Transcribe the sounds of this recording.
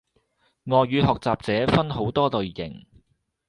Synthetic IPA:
ŋɔː˨jɥyː˨˧ɦɔː˨k̚t͡saː˨p̚t͡sɛː˨˥fɐ˥nho˨˥wt̪ɔː˥lɵ˨ɥːɪ̰˨˩ŋ

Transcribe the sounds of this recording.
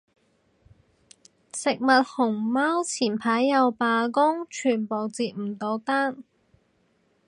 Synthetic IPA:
sɪ˨k̚mɐ˨t̚hʊ˨˩ŋmaː˥wt͡sʰiː˨˩npʰaː˨˥jːɐ˨˧wpaː˧kʊ˥ŋt͡ʃʰyː˨˩npo˨˩wt͡siː˧t̚m̩˨˩t̪o˨˧wt̪aː˥n

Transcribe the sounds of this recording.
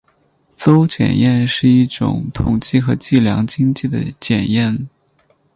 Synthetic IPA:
t͡so˥ʊt͡ɕjɛ̰˨˩njɛ˥˧nʂɻ̩˥˧i˥˩ʈ͡ʂʊ̰˨˩ŋt̪ʰʊ˨˩ŋt͡ɕi˥˩xɤ˧˥t͡ɕi˥˩ljɑ̰˧˥ŋt͡ɕi˥ŋt͡ɕi˥˩d̪ə̰˩t͡ɕjɛ˨˩njɛ˥˩n

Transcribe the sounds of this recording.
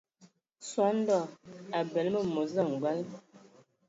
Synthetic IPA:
swa˨˦n̩˦dɔ˦˨a˨bɛ˨lmə˦˨mo˨zə˦˨ŋ˨ɡwa˦l

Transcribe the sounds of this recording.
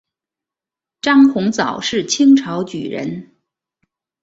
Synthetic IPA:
ʈ͡ʂɑ˥ŋxʊ˧˥ŋt͡sɑ˨˩ʊʂɻ̩˥˩t͡ɕʰi˥ŋʈ͡ʂʰɑ˧˥ʊt͡ɕy̰˨˩ɻə̰˧˥n

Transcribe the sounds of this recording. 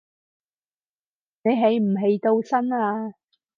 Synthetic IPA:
ne˨˧jɦe˨˥jm̩˨˩ɦe˨˧jt̪o˧wsɐ˥naː˧

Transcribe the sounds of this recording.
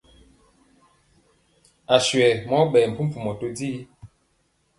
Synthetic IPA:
a˨ʃwɛ˨mɔ˨˦ɓɛː˨m̩˨pʰu˦m˦fu˨mɔ˨to˦di˦

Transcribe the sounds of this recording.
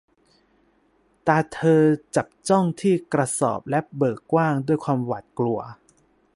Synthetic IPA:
t̪aː˧t̪ʰɤː˧t͡ɕa˨˩p̚t͡ɕɔ˥˩ŋt̪ʰiː˥˩kɾa˧sɔ̰ː˨˩p̚lɛ˦˥bɤː˨˩kːwaː˥˩ŋdu˥˩əjkʰwaː˧mwa˨˩t̪̚klu˧ɐ

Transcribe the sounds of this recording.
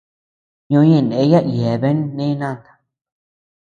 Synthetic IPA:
ɲõ˧˦ɲẽ˧˨ndẽ˨˦ja˦ʔi˨e˨βe˦n˦nẽ˦nã˦˨t̪ḁ˨

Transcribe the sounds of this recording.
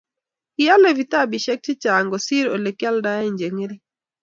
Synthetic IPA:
ɪ˦ja˦le˦vi˨ta˦˨bi˨ʃɛ˦k̚t͡ʃɪ˦t͡ʃa˨ŋɡɔ˨si˦ɾo˨le˨kja˦lda˦ja˦i˦˨ɲd͡ʒe˨ŋe˦ɾi˦

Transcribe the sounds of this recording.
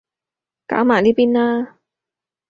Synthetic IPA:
ka̰ː˨˥wmaː˨˩liː˦˥piː˥naː˧

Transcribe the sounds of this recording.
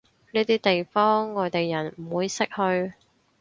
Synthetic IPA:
niː˥t̪iː˥t̪e˨jfɔː˥ŋːɔː˨˧jt̪e˨jːɐ˨˩nm̩˨˩wuː˨˧jsɪ˥k̚hɵ˧ɥ

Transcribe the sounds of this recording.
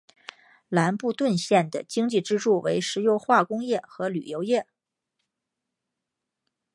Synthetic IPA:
la˧˥npu˥˧t̪wə˥˧nɕjɛ˥˩nd̪ə̰˩t͡ɕi˥ŋt͡ɕi˥˩ʈ͡ʂɻ̩˥ʈ͡ʂu˥˩we˧˥ɪʂɻ̩˧˥jo˧˥ʊxwa˥˩kʊ˥ŋjɛ˥˩xɤ˧˥ly̰˨˩jo˧˥ʊjɛ˥˩

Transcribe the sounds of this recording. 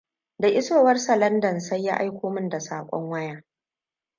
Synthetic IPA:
da˨ʔɪ˦soː˦˨wɐ˦rsɐ˨lɐ˦ndɐ˨nsɐ˦jːa˦ʔa˦jkʷʰoː˦mɪ˦nda˨saː˨kʷʼɔ̰˦ŋwɐ˦jaː˦

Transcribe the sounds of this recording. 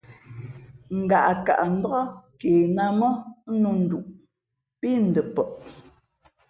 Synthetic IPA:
ŋ̩˨ɡa˨ʔka̰˨ʔn̩˦dɣɔ˦keː˨na˦mɔ˦nu˦n̩˨du˨ʔ | pi˦n̩˨də˨pə˨ʔ

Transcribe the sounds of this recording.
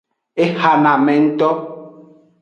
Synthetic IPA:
e˦ha˨nã˨mɛ̃˨n̩˦t̪ɔ˦

